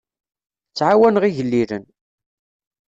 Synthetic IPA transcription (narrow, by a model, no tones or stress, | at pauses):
t͡sːʕawænʁiʝəlːiɾən